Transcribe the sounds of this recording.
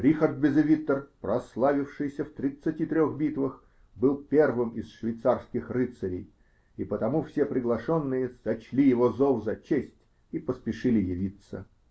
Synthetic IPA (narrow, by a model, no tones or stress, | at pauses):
ɾʲixərd̪̚bʲɪzɪvʲit̪ːərpɾɐslˠavʲɪfʂɨjsʲəft̪ɾʲɪt̪sɨtʲit̪ɾʲoɣbʲit̪vəx | bɨlˠpʲe̞rvɨmɪsʂvʲɪjt̪sarskʲɪxrɨt̪səɾʲɪ̰j | ipət̪ɐmufsʲepɾʲɪɡlˠɐʂonːɨjəsɐt͡ɕlʲijɪvozovzɐt͡ɕesʲtʲ | ipəspʲɪʂɨlʲɪjɪvʲit̪sə̰